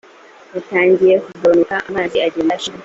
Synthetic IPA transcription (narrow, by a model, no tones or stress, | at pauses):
utaːɲɟiɾekubonukaʔamaːdiaɟeːndaʃi